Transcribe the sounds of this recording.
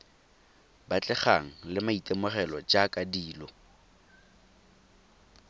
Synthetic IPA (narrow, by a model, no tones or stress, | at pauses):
bat͡ɬʼɛχaŋ̩lɪmaitʼemʊχɛlɔd͡ʒakʼadiːlɔ